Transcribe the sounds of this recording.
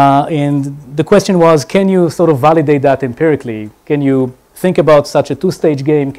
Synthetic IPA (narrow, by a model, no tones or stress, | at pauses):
ɛ̃nðəkʰwɛst͡ʃɨ̃nwʌzkʰɛ̃njusɔɹɾɔvalɨdeɪt̪̚ðætɨ̃mpʰɪɹɨkʰlikɛ̃nju | θɪ̃ŋkəbaʊtsat͡ʃɨtusteɪd͡ʒɡẽɪ̃m